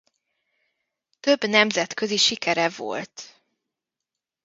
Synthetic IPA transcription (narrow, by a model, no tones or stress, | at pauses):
t̪ø̞bnɛmzɛt̪kø̞ziʃikɛɾɛvo̞̰lt̪